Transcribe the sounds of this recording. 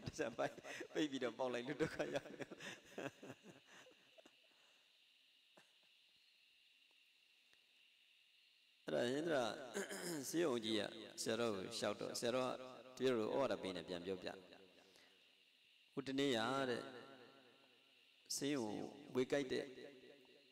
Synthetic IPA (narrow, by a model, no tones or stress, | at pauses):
dad͡ʑapãpeɪʔpːiɾɔpãʊ̃laɪlutokʰajaʊmɛo | ʔɛɾa̰ʃɪ̃nd̪əɾa | sejõʊ̃ɲd͡ʑia̰sɪjaɾɔɡoʃaʊtːɔ̰sɪjaɾɔ̰a̰d̥əbjeɾɔɾo̰ʔɔ̰waɾapẽnɛ̃pjãmpjɔpja̰ | hutənejaɾɛ̰ | sɪ̃o̰wekaɪtɛ̰